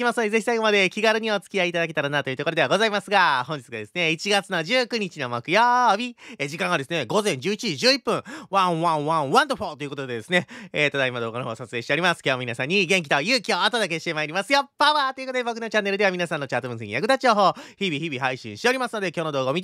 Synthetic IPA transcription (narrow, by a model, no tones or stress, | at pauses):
kʲimasɨnd̪eze̞çisaiɡo̞mad̪e̞kʲiɡaɾɯ̟ɲ̟io̞t͡sɨ̥kʲiait̪ad̪ake̞t̪aɾanat̪o̞jɯ̟t̪okoɾd̪eaɡo̞zaimasɨɡahõ̞ɲ̟d͡ʑit͡sɨɡad̪e̞sɨne̞it͡ɕiɡat͡sɨno̞d͡ʑɨːkɯ̟ɲ̟it͡ɕino̞mokɯ̟jobʲied͡ʑikãŋɡad̪e̞sɨne̞ɡo̞zẽ̞ɲ̟d͡ʑɨːit͡ɕiʑiʑɨːipːɯ̟̃βãɰ̃βãβãβãnt̪oɸot̪o̞iɯ̟kot̪o̞d̪e̞d̪e̞sɨne̞et̪od̪aimad̪oːɡanoɦosat͡sɨ̥e̞ːɕi̥te̞ɾʲimasɨ̥kʲjoːmʲinasãɲ̟ːiɡẽ̞ŋk̬i̥t̪o̞jɯ̟ːkʲio̞at̪od̪ake̞ɕi̥t̪e̞maiɾʲimasɨjopːaβaːt̪o̞jɨ̟kot̪od̪e̞bo̞k̬ɯ̟no̞t͡ɕãnːe̞ɾɯ̟d̪e̞amʲinasãnːo̞t͡ɕaːt̪obɯ̃sẽŋijakɯ̟d̪at͡ɕio̞ːɦo̞ːçibʲiçibʲiɦaiɕḭ̃ɰ̃ɕit̪e̞o̞ɾʲimasɨno̞d̪e̞kʲjo̞ːno̞d̪o̞ːɡo̞mʲit̪